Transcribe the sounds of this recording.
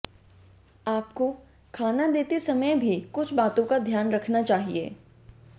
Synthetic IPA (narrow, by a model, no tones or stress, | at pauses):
aːp̚ko | kʰaːnad̪eːt̪esɐməjbʱikʊt͡ʃʰbaːt̪õkad̪ʱjaːnɾɐkʰnat͡ʃaːɦiḛː